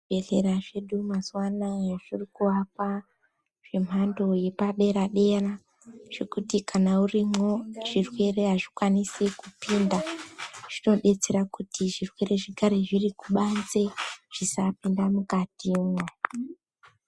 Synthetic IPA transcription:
eɮe̞ɾaʐe̞ɗumazwanaaʐ̥irikuapa | ʐ̥e̞m̤ando̞je̞paɗe̞ɾaɗe̞ra | ʐ̥e̞kutikanaurimwo̞ʐ̥irwe̞re̞ɦaʐikwanisikupiːndaʐ̥ino̞ɗe̞t͡se̞ɾakutiʐirwe̞re̞ʐekaɾeʐirikuɓanze̞ʐ̥isapindamukatiːmwa

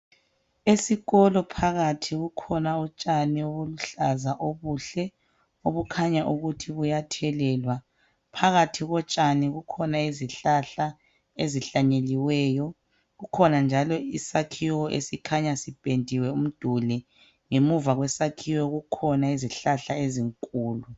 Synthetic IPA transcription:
esiɣɔlɔpʰaɣatʰiɣukʰɔnaut͡ʃʼanioβuluɬazaʔoβuːɬɛ | oβukʰaɲaʔuɣutʰiβujatʰɛlɛːlwa | pʰaɣatʰiɣɔt͡ʃʼaniɣukʰɔnaiziɬaɬa | eziɬaɲeliwɛːjɔ | ɣukʰɔnand͡ʒʱalɔisakʰiwɔʔḛsikʰaɲasib̥ʱendʱiwɛum̩d̥ʱulɛ | ŋemuvaɣwɛsakʰiwɔɣukʰɔnaiziɬaɬaeziŋkʼuːlu

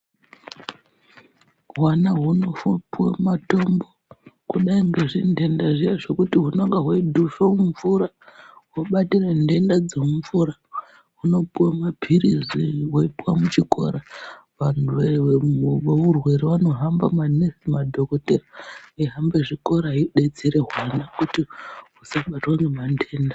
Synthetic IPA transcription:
ɦwanaɦuno̞fopwa̰mato̞mbokuɗaiŋɡeʐinde̞ndaʐijaʐo̞kutiɦunoŋɡaɦwaidʱufomuɱvuɾa | woɓatirende̞ndad͡zeuɱvuɾa | ɦuno̞puwamapiɾiziwoipuwa̰mut͡ʃiko̞̰ɾaʋan̤uʋe | ʋourwe̞ɾiʋano̞ɦambamanesimadʱo̞koteraiɦambeʐiko̞ɾaɦiɗed͡ziɾe̞ɦwanakutiɦusaɓatwaŋɡemande̞ːnda

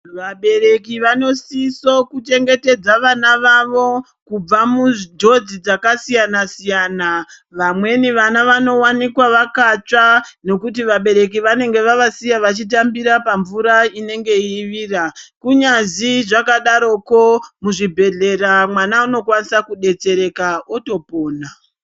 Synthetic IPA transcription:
ʋaɓe̞ɾe̞kiʋano̞sisokut͡ʃe̞ŋɡe̞te̞d͡zaʋanaʋaʋo̞ | kub͡vamudʱo̞d͡zid͡zakasijanasijaːna | ʋamwe̞niʋanaʋano̞wanikwaʋakat͡ʂano̞kutiʋaɓe̞ɾe̞k̬iʋane̞ŋɡe̞ʋaʋasijaʋat͡ʃit̬ambiɾapaɱvuɾaine̞ŋɡe̞iːʋiːrakuɲaziʐakaɗaɾo̞ko̞muʐibʱe̞ɮe̞ramwanauno̞kwanisakuɗe̞t͡se̞ɾe̞kaoto̞po̞ːna

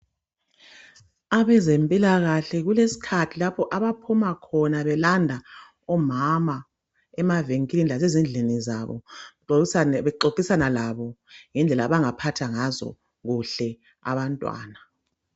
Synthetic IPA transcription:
aβɛzempʼilaɣaɬɛɣulesi̥kʰatʰilapʰɔʔaβapʰumakʰɔnaβɛlandʱa | ɔmama | ɛmaveŋkʼilinilazezind͡ɮʱinizaβɔ̰ | βɛǃokʼisanalaβɔŋɛnd͡ɮʱɛlaβaŋapʰatʰaŋazɔ̰ | ɣuɬɛ | a̰βantʼwa̰ːna

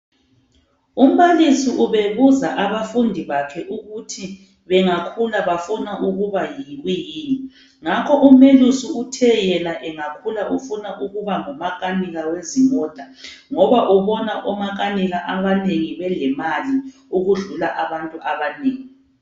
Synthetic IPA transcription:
um̩βalisiʔuβeβuzaʔaβafundʱiβakʰɛʔuɣutʰi | βɛŋakʰulaβafunaʔuɣuβajiɣwijiːni | ŋakʰɔʔumelusiutʰɛjɛnaʔɛŋakʰulaʔufunaʔuɣuβaŋɔmaɣʼaniɣawezimɔd̥ʱa | ŋɔβaʔuβɔnaʔɔmaɣ̬aniɣaʔaβaneŋiβɛlɛmaliuɣuɮulaʔaβantʼuʔaβaneːŋi

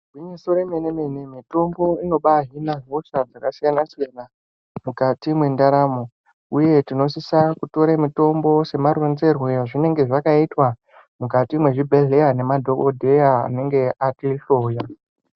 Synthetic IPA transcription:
ɡiɲesoɾemeneme̞nemito̞mbo̞ino̞ɓaɦinaɦo̞ʂad͡zakasijanasijana | mukatimwe̞ndaɾamo | uje̞tino̞sisakuto̞ɾemito̞mbo̞se̞marwenze̞rwejaʐine̞ŋɡe̞ʐakaitwa | mukatimwe̞ʐibʱe̞ɮe̞jane̞madʱo̞kodʱe̞jaa̰ne̞ŋɡe̞atiɬo̞ːja

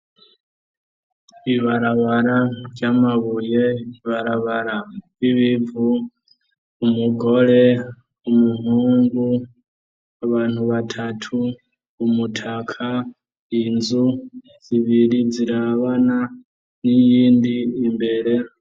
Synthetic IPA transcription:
βiβaɾaβaɾavjamaβujeiβaɾaβaɾa | iβivu | umuɡo̞le̞ | umuhuːŋɡu | aβaːn̥huβatʰatʰuː | mutʰakʰa | inzu | z̥iβiɾiziɾaβana | nijiːndiːmbe̞ɾe̞

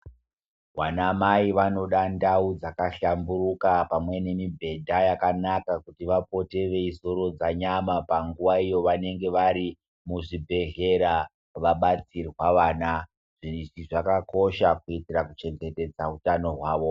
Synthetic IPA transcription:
ʋanamaiʋano̞ɗandaud͡zakaɬambuɾukapamwe̞ne̞mibʱe̞dʱajakanakakutiʋapo̞te̞ʋe̞isoɾo̞d͡zaɲamapaŋɡuʋaijo̞ʋane̞ŋɡe̞ʋaɾi | muʐibʱe̞ɮe̞ɾa | ʋaɓat͡sirwaʋaːna | ʐiʐiʐakako̞ʃakuitirakut͡ʃe̞ŋɡe̞te̞d͡zautano̞ɦwaːʋo̞

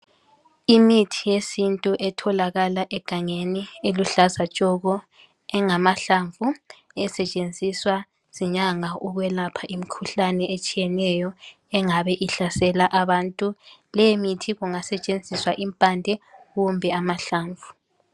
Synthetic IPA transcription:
imitʰijesintʼuʔɛtʰɔlaɣalaʔɛɡ̥ʱaŋenieluɬazat͡ʃʼɔɣɔ | ɛŋamaɬaɱvʱu | ɛsɛt͡ʃʼend͡zʱiswa | z̥iɲaŋaʔuɣwɛlapʰaʔimikʰuɬanɛet͡ʃʼijɛnɛjɔ | ɛŋaβɛʔiɬasɛlaʔaβantʼulɛjemitʰiɣuŋasɛt͡ʃʼend͡zʱiswaʔimpʼandʱɛɣumbʱɛamaɬaːɱvʱu

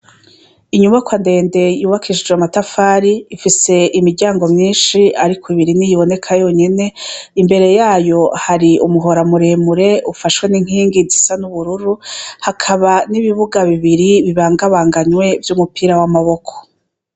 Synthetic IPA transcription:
iɲumakwande̞ːnde̞juːβakʰiʃid͡ʒweamatafaːɾiːfise̞ʔimiɾɟaːŋɡo̞mɲiːnʃiaɾikʰoiβiɾinijiβo̞ne̞kʰajo̞ːɲe̞ne̞imbe̞ɾe̞jaːjo̞haɾiumuɦo̞ɾamuɾe̞ːmuɾe̞ufaʃwe̞niŋ̥hiːŋɡizisanuβuɾuɾuhakʰaβaniβiβuɡaβiβiɾiβiβaːŋɡaβaːŋɡaɲwe̞vjuːmupiːɾawamaβo̞kʰo̥

